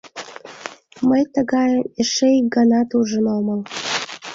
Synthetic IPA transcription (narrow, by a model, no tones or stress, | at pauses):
məjt̪əɣɑjəmeʃeik̚ɡənɑt̪uʒə̆nolməm